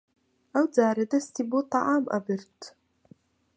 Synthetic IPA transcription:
awd͡zaːɾɐdɐstʰibot̪ɑʔaːmʔɐ̰bɨrtʰ

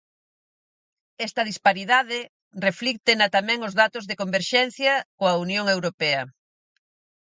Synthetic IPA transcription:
ɛst̪ɐðispaɾiðaðɪ | reflik̚t̪enat̪amɛ̃ŋʊzðat̪ʊzðekombeɾʃɛn̟θjɐkoɐunjoŋewɾopɛɐ

